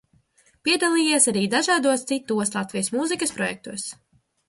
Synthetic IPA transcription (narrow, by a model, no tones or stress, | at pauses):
piɛd̪alˠiːjeɛsaɾiːd̪aʒaːd̪uɔst̪sit̪ːuɔslˠat̪vijəsmuzikɐspɾɔjɛk̚t̪uɔs